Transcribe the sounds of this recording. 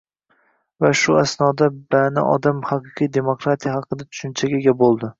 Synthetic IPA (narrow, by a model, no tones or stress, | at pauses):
vaʃʊasnɒd̪abanɪ̰ʔɒ̰d̪amhɑqɨqʰɨjd̪e̞mokɾat̪ʰijahɑqɨd̪at̪ʰʊ̥ʃʊnt͡ʃʰaɡʲeɡʲabolˠd̪ɪ